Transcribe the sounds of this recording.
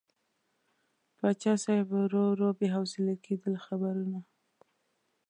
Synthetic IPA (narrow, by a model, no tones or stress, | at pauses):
pɑt͡ʃɑsajbɾoɾobeɦawsɪlakʰed̪əlxabaɾuna